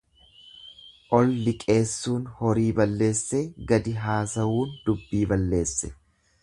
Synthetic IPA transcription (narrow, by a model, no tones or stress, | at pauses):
ʔɔlːɪkʼe̞ːsːuːnhɔɾiːbɐlːe̞ːsːeːɡɐd̪ɪɦaːsɐwuːnd̪̥ʊbːiːbɐlːe̞ːsːɛ̥